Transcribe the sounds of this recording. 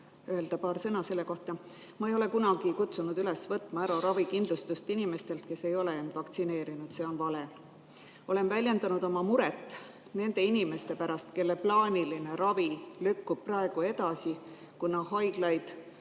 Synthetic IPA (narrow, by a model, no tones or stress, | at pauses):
øe̞ld̪ɑpɑːɾsɤnɑse̞lːe̞ko̞ht̪ɑ | mɑe̞jo̞le̞kunɑɡ̥ikut̪sunud̪̥yle̞svɤt̪ːˑmɑæɾɑɾɑvikind̪lust̪ust̪inime̞st̪e̞lt̪̚ke̞se̞jo̞le̞end̪̥vɑkt̪sine̞ːɾinud̪̥se̞ːo̞nvɑle̞ | o̞le̞nvælʲje̞nd̪ɑnud̪̥o̞mɑmuɾet̪ːˑ | ne̞nd̪̥e̞inime̞st̪e̞pæɾɑst̪ke̞lːeplɑːnʲiline̞ɾɑvilykːub̥̚pːrɑe̞ɡ̥ue̞d̪̥ɑsi | kunɑhɑjɡ̥lɑjd̪̥